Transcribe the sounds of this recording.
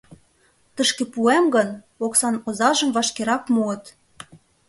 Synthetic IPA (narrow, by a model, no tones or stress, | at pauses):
t̪ə̆ʃkĕpuemɡɤ̆n | oksɑnozɑʒə̆mvɑʃkeɾɑkmuə̆t̪